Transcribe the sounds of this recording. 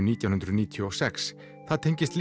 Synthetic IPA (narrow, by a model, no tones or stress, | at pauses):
niːt̪jawnhʏnɾʏðniːt̪ʰjɔɔsɛks | θaðt̪ʰejɲcɪst̪l